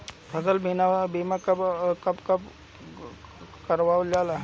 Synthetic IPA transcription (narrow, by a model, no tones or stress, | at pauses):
pʰɐsəlbʱinabimakɐkɐpkɐp | kɐɾʋaːd͡ʒaːla